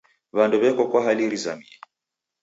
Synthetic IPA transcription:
βandɔβɛkɔkwaɦaliɾiza̰miɛ

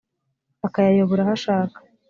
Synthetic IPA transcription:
akajajoβoɾahaʃaːkḁ

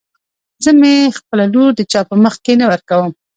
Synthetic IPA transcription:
zəmexpəlaloɾd̪ət͡ʃɑpəməxkenawəɾkawəm

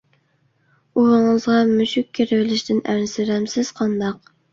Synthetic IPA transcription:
uwɨŋɨzʁɑmuʃʊkʲʰːeɾɪvɪlɪʃt̪ɪnæɾsɪɾɛmsɪz̥qʰɑnd̪ɑq̚

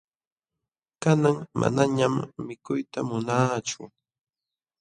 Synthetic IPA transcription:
kanaŋma̰naɲamːɪkʊjt̪amʊnaːt͡ʃʊ

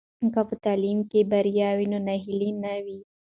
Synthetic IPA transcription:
kafut̪aːliːmkebɐɾjaːwinonɐɦilinɐwi

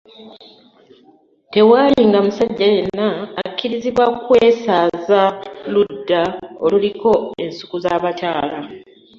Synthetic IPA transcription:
te̞waːliŋɡamusaɟːaje̞nːaːkːiɾiziβwakwe̞ːsaːzaludːaoluliko̞e̞nsu̥kuzaːβataːla

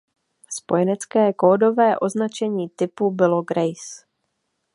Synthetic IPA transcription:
spo̞jɛnɛt͡skɛːkoːdo̞vɛːʔo̞znat͡ʃɛɲiːt̪ɪpubɪlo̞ɡɾɛjs

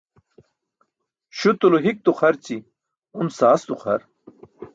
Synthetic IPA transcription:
ɕut̪uloɦik̚t̪uχɐɾt͡ɕi | umsaːst̪uχɐ̰ɾ

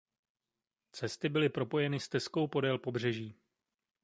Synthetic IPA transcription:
t͡sɛst̪ɪbɪlɪpɾo̞po̞jɛnɪst̪ɛsko̞wpo̞dɛlpo̞br̝ɛʒiː

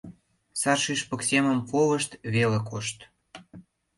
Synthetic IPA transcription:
sɑrʃiʃpə̆ksʲemə̆mpoβə̆ʃt̪βelĕkoʃt̪

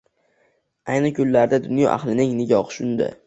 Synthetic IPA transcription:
ajnɪkʰʊlːaɾd̪ad̪ʊnjɒ̰ʔa̰hlɪnɪŋnɪɡʲɒhʃʊnd̪ɪ̰

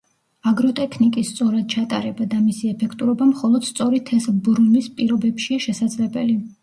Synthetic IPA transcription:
aɡɾɔt̪ʼɛkʰnikʼist̪sʼɔɾad̪̥̚t͡ʃʰat̪ʼa̰ɾɛbad̪amisiɛpʰɛkʰt̪ʼuɾɔbamχɔlˠɔd̪̥st̪sʼɔɾit̪ʰɛsbɾumispʼiɾɔbɛpʃiaʃɛsad̪zlɛbɛli

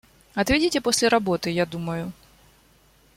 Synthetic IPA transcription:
ɐt̪vʲedʲitʲɪposʲlʲɪɾɐbo̞t̪ɨjad̪uməjʊ

